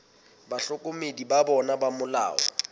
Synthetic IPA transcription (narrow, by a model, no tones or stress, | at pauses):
baɬʊkʼʊmedibabɔnabamʊla̰ːwɔ̰